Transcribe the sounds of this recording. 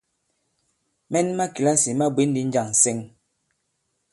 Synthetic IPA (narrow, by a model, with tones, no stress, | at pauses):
mɛ˦n˦ma˦ki˨la˦si˨ma˦bwe˨˦n˦di˨˦n˦d͡ʒa˨ŋ˨sɛ˦ŋ